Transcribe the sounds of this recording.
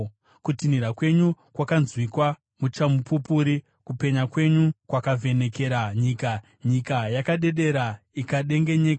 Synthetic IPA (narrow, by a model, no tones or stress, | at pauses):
kutiniɾakwe̞ɲukwakanzwikwa | mut͡ʃamupupuɾi | kupe̞ɲakwe̞ɲukwakavʱe̞ne̞ke̞ɾaɲiːka | ɲikajakaɗe̞ɗe̞ɾaikaɗe̞ŋɡe̞ɲe̞ːka